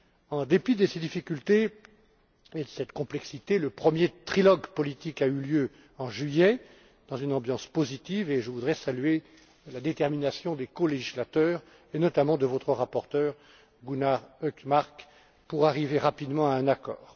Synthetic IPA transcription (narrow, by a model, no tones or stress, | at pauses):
ɑ̃d̪epid̪əsed̪ifikʲylt̪e | ed̪əsɛt̪kɔ̃plɛksit̪eləpχəmjet̪χilɔɡpɔlit̪ikayljø | ɑ̃ʒɥijɛ | d̪̥ɑ̃zynɑ̃bjɑ̃spozit̪iveʒəvud̪ʁɛsalye | lad̪et̪ɛʁminasjɔ̃d̪ekoleʒislat̪œːʁ | enɔt̪amɑ̃d̪əvɔt̪χəʁapɔʁt̪œːʁ | ɡunaʁøkmaʁk | puʁaʁiveʁapid̪mɑ̃aɛ̃nakɔ̰ːʁ